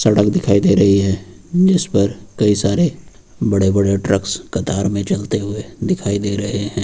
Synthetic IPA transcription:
sɐɽək̚d̪ɪkʰaːid̪eːɾɐɦiɦɛ̃ː | d͡ʒɪspɐɾkɐisaːɾe | bɐɽebɐɽeʈɾəkskɐt̪aːɾmẽt͡ʃɐlt̪eɦʊed̪ɪkʰaːid̪eːɾɐɦeɦɛ̃ː

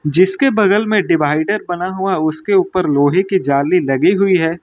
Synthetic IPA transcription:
d͡ʒɪskebɐɡəlmẽɖɪbaːɪɖəɾbɐnaɦʊaʊskeuːpəɾloːɦekid͡ʒaːlilɐɡiɦʊiɦɛː

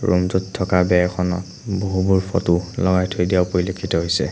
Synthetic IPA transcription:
ɹumzutʰːɔkabɛɛxʰɔnɔ̰t | boɦubuɹpʰɔtulɔɡajtʰojdijaʊpoɹilokʰitɔɦojsɛ̰

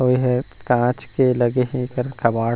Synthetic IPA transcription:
ɦoːiɦɛkãːt͡ʃkelɐɡeɦĩkɐɾkʰɐbaːɽ

